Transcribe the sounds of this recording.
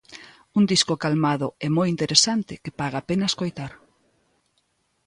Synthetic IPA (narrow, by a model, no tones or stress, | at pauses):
und̪iskokalmaðʊɛmojint̪eɾesant̪ɪkepaɣaːpenɐskojt̪aɾ